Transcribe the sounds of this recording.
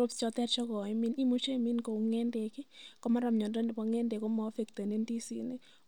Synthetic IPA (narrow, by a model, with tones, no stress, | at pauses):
o˦pst͡ʃɔ˨t̪ɛ˦tt͡ʃɔ˦ɡɔ˨i˦mi˦ni˦mo˦t͡ʃe˦˨mi˦nko˨ŋɛ˦nde˨kɪ˦kɔ˦ma˦ɾa˨mɲɔ˨dɔ˦n˨pa˨ŋɛ˦nde˨kɔ˦ma˨˦fe˨kt̪a˨ne˦ndi˦sḭ˨nɪ˦